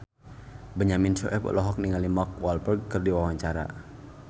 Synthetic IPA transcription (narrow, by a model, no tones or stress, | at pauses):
bəɲaminsɔ̰ʔɛplɔɦɔk̚niŋalimɔk̚walbərɡ̚kərdiwawaɲt͡ʃaɾa̰